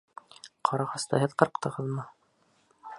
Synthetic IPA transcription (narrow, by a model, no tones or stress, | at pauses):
qʰɑɾɑʁɤ̆st̪ɑɦɘðqɤ̆ɾqt̪ɤ̆ʁɤðmɤ